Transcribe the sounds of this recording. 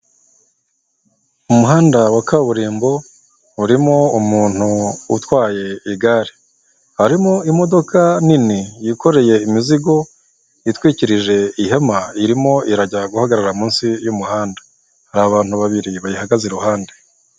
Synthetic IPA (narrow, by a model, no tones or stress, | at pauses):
umuɦaːndawakaβuɾiːmbo̞ | uɾimo̞umuːn̥hṵːtwaːje̞iɡaːɾi | haɾimo̞imo̞do̞kʰaninijiko̞ɾe̞je̞imiziɡo̞ | itwiːciɾiʒe̞iɦemaiɾimo̞ʔiɾaɟaɡuhaɡaɾaɾamũːnsijumuɦaːndḁ | haɾaβaːn̥huβaβiɾiβajihaɡaze̞ɾuhaːnde̞